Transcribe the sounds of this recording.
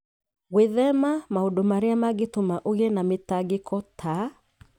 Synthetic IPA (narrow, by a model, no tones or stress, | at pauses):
ɣweðɛmamahodomaɾeamaɡetomaʔoɣenametaɡekʰɔtʰa